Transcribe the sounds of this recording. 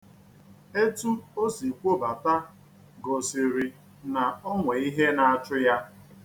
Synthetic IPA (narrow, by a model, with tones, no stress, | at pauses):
e˦tu˦o˦si˨kʷo˦ba˨ta˦ | ɡo˨si˨ɾi˨ | na˨ɔ˦ŋʷe˨i˦ɦe˦na˨a˨t͡ʃʊ˦ja˦